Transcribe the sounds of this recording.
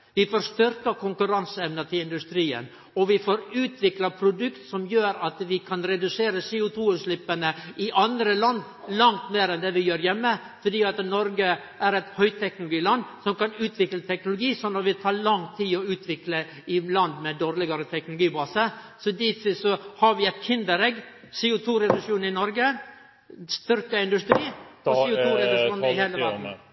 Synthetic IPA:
ʋɪfoːɾst̪ʏɾkəkʰʊŋkʉɾɑnsəɛʋnət̪ʰɪlɪnd̪ʉst̪ɾiːə̰n | ɔʋɪfoːɾʉːt̪ʰʋɪklɑpʰɾʊd̪ʉkt̪sɔmjøːɾɑt̪ʋɪkʰɑnɾɛd̪ʉseːɾəseːʊt̪ʰuːʉslɪpːənəʔɪʔɑnd̪ɾəlɑnd̪ | lɑŋt̪meːɾɛnd̪ɛʋɪjøːɾjɛmːə | fɔɖ̪iːɑt̪nɔɾɡə | æɾɛt̪hœʏt̪ʰɛknʊlʊɡiːlɑnd̪sɔmkɑnʉːt̪ʰʋɪklət̪ʰɛknʊlʊɡiːsɔnːɑt̪ʋɪt̪ʰɑːɭɑŋt̪ʰiːɔʉːt̪ʰʋɪklə | ɪlɑnd̪mɛd̪oːɾlɪɡɑɾət̪ʰɛknʊlʊɡiːbɑːsə | sɔd̪ɪt̪sɔhɑɾʋɪɛt̪kʰɪnd̪əɾɛɡ | sɛʊt̪ʰuːɾɛd̪ʊʂuːnɪnɔɾɡə | st̪ʏɾkəɪnd̪ʉst̪ɾiːɔsɛʊt̪ʰuːɾɛd̪ʉʂuːnɪheːləʋæɾn̩

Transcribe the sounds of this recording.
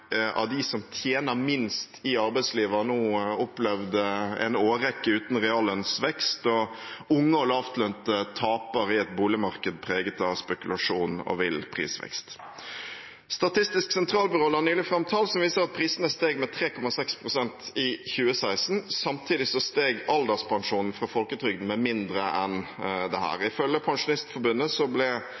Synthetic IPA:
ɑ̰d̪ɪsɔmt̪ʰjeːnəmɪnst̪ɪɑɾbæɪd̪sliːʋɑnuːɔplɛʋd̪əɛ̰ɪnoːɾɛkːəʉːt̪n̩ʁɛɑlːənsʋɛkst̪ɔʊŋːəɔlɑft̪lœnt̪ət̪ʰɑːpəɾɪɛt̪buːlɪmɑɾkəd̪̚pʰʁeːɡət̪ɑʋspɛkʉlɑʂuːnɔ̰ʋɪlpʰʁḭːsʋɛ̰kst̪ | st̪ɑt̪ʰɪst̪ɪsksɛnt̪ʰʁɑːlbʉɾoːlɑnyːlɪfɾɑmt̪ʰɑːlsɔmʋiːsəɾɑt̪̚pʰɾiːsənəst̪eːɡmɛt̪ʰɾeːkʰɔmɑsɛkspʰɾʊsɛnt̪ɪçʉːəsæɪsn̩sɑmt̪ʰiːd̪ɪsɔst̪eːɡɑld̪ɑspʰɑŋʂuːnn̩fɾɑfɔlkət̪ʰɾʏɡd̪n̩mɛmɪnd̪ɾəʔɛnd̪ɛhæ̰ːɾɪfœljəpʰɑŋʂʊnɪst̪fɔbʉnːəsɔblɛ

